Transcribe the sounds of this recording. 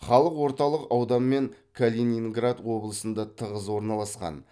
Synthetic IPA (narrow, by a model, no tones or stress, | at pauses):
χɑlˠəqwo̞ɾt̪ɑlˠəqɑwd̪ɑnme̞ŋkʰolʲeniŋɡrad̪wo̞blˠəsənd̪ɑt̪ʰəʁəzwo̞ɾnɑlˠɑsqɑ̰n